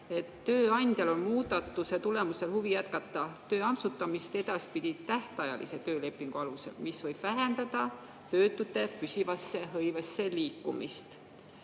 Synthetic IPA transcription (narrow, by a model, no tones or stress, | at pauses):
e̞t̪ːøːɑnʲd̪̥ʲjɑlo̞nmuːd̪̥ɑt̪ːˑuse̞t̪ule̞muse̞lhuvijæt̪̚kɑt̪ːˑɑt̪ø̞ːɑmsut̪ːˑɑmist̪e̞d̪̥ɑspid̪̥ʲit̪æht̪ɑjɑ̰lʔḭse̞t̪ø̞ːle̞pːˑiŋɡ̥uɑluse̞̰lmisvɤ̞jb̥væɦe̞nd̪̥ɑd̪̥ɑ | t̪ø̞ːt̪ːˑut̪ːˑe̞pysʲivɑsːe̞ɦɤjvɑsːe̞liːkːumist̪